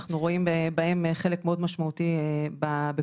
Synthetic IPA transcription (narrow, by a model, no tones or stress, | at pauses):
χnuʁo̞imbebaemeχe̞lekmeo̞d̪maʃmaut̪iebabe